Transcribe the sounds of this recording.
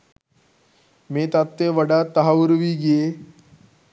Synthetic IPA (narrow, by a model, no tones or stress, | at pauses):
met̪at̪ːeʋəɽat̪ːəɦaʋuɾʋiːɡie